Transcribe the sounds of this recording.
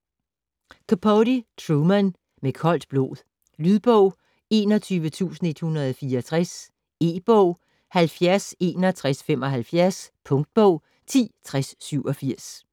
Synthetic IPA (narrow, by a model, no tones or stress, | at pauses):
kʰopʰɔɾit͡sʰʁumæn | mekʰɒ̽l̰d̥b̥lo̝̰ːðˠ | lyðˠb̥ɔʊ̰ | e̝ːnɒt͡sʰyːʋət͡sʰṵːsn̩e̝d̥hunɐð̩ˠɒfiːɐɒt͡sʰʁas | e̝̰ːb̥ɔʊ̰ | hælfjæɐse̝ːnɒt͡sʰʁasfemɒ̽ɦælfjæɐspʰɔ̽ŋd̥̚b̥ɔʊ̰ | t͡sʰḭːt͡sʰʁasːyʊɒ̽fiɐ̰s